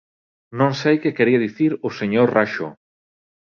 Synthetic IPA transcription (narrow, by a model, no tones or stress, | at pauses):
nõŋsejkɪkeɾiaðiθiɾʊseɲoɾraʃʊ̰